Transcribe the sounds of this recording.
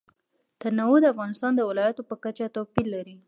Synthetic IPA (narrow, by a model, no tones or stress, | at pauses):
t̪əɾnawud̪əafɣɑnɪst̪ɑnd̪əwɪlɑjat̪opəkat͡ʃat̪apilːaɾi